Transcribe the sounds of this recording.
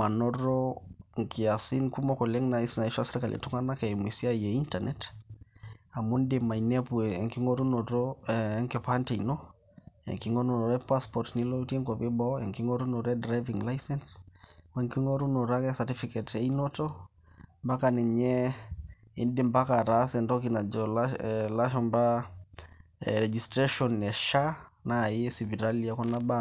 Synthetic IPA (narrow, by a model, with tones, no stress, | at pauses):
ma˨nɔ˦ɾoŋki˨a˨si˦nku˦mɔ˦ko˨lɛ˦ŋna˨i˦sna˨i˦ʃwase˦ɾka˨lʔḛ˨tu˦ŋɡa˦na˦kɛ˨i˨mwi˨si˦a˦jɛ˨i˦ntanɛt | a˨mu˦nde˨ma˨inɛ˦pu˨ɛ˨ŋki˦ŋo˦ɾu˦no˨ɾo˦ŋke˨pa˦nte˨inɔ˦ | ɛ̰˨ŋki˨ŋo˦nɔ˨nɔ˨ɾɛ˦pa˦spɔ˨ɾtni˦lo˦i˦tɛ˦ŋkɔ˨βe˦bɔ˦ɛ˨ŋki˦ŋɔ˦ɾu˦nɔ˨ɾɛ˦dɾa˦jvi˨ŋla˦jsɛ˦nswɛŋki˦ŋɔ˦ɾuno˨ɾa˦kɛsatifi˦kɛte˨inɔtɔ | mba˦kanɛ˨ɲɛ | i˦ndi˨mba˦ka˨ɾasɛndɔkina˨d͡ʒɔlalaʃɔmba | ɾɛd͡ʒistɾeʃɔnɛ˨ʃa˦na˨iɛ˦sivi˨ɾaliakɔ˦naba